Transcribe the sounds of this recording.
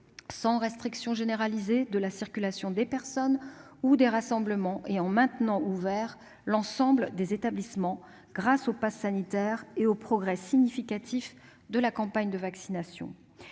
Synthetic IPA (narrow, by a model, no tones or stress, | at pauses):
sɑ̃ʁɛst̪χiksjɔ̃ʒeneʁalized̪əlasiʁkʲylasjɔ̃d̪epɛʁsɔnud̪eʁasɑ̃bləmɑ̃ʔeɑ̃mɛ̃t̪nɑ̃ʔuvɛʁ | lɑ̃sɑ̃bld̪ezet̪ablismɑ̃ | ɡ̥ʁasopasːanit̪ɛʁeopχɔɡʁɛsiɲifikat̪ʰif | d̪əlakɑ̃paɲd̪əvaksinasjɔ̰̃